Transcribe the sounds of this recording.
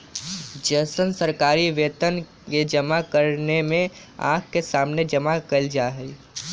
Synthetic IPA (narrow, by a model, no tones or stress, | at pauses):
d͡ʒəsənsəɾkaːɾiʋeːt̪ən | ked͡ʒəmakəɾnemẽ | ã̰ːkkesaːmned͡ʒəmakəld͡ʒaːɦɛ